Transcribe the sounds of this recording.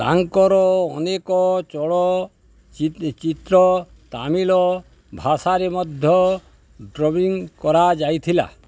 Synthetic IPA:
t̪a̰ŋkɔɾɔɔnekɔt͡ʃɔɭɔ | it͡ʃit̪ɾɔ | t̪amilɔ | bʱasaɾemɔd̪ʱjɔ | ɖɾɔbiŋkɔɾad͡ʒajt̪ʰila̰

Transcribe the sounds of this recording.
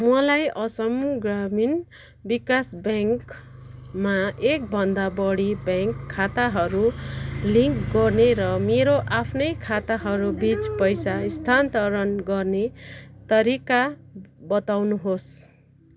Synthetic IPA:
mʌlajʔʌsʌmɡramin | bikasbaŋk | maʔek̚bʱʌnd̪abʌɽibaŋkʰːat̪aɦʌɾuliŋkɡʌrneɾʌmeɾoʔapʰnʌjkʰat̪aɦʌɾubit͡spʌjsaist̪ʰant̪ʌɾʌnɡʌrnet̪ʌɾikabʌt̪awnuɦos

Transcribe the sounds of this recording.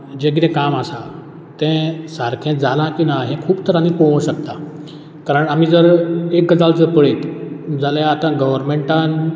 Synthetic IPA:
d͡ʑẽɡɾɛ̃kamasa | t̪ɛ̃saɾkʰɛ̃d͡zalãkinaɦɛ̃kʰuːbt̪əɾanipoʋə̃ɕəkt̪a | kaɾəɳam̤id͡zəɾek̚ɡəd͡zald͡zəɾpəɭet̪d͡zaljãat̪ãɡəʋəɾmeɳʈãn

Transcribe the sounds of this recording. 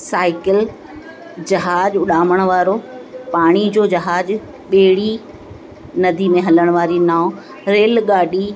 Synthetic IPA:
saːɪkɪl | d͡ʑɐɦaːd͡ʑʊɗaːməɽ̃ʊʋaːɾopaːɽ̃id͡ʑoːd͡ʑɐɦaːd͡ʑ | ɓeːɽi | nɐd̪ʱimẽɦɐləɽ̃ʋaːɾinaːʊ̃ | ɾeːlɡaːɗi

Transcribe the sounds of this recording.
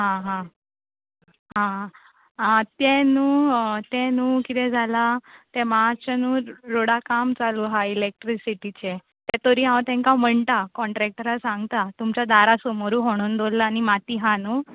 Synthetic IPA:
ɦãɦã | ɦã | ɦat̪ɛ̃nuːt̪ɛ̃nuːkit̪ɛd͡zʱalat̪ɛmat͡ɕanuːɾoɽakamt͡saluɦailek̚ʈɾisiʈit͡ɕe | t̪ɛt̪oɾiːɦãwt̪ɛ̃ŋkam̤əɳt̪akɔɳʈɾɛk̚ʈ̪əɾasaŋɡt̪at̪umt͡ɕad̪aɾasomoɾuːɦoɽ̃uːnd̪ollaːnimat̪iːɦanuː

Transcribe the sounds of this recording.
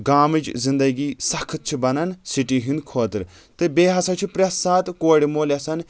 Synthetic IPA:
ɡaːmɨd͡ʒzind̪ɐɡiːsɐkʰɨt̪̚t͡ʃʰibɐnɐnsiʈiɦind̪kʰoːt̪ɨɾ | t̪ɨbeːɦɐsɐt͡ʃʰipɾɐsːaːt̪koːɽimoːlʲɐsɐn

